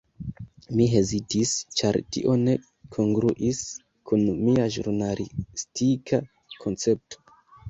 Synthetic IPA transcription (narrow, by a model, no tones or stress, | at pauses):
miɦe̞zitist͡ʃaɾtḭʔo̞ne̞ | kʰo̞ŋɡɾuʔis | kʰunmiaʒṵɾnalʔistikʰa | kʰo̞nt͡se̞p̚to̥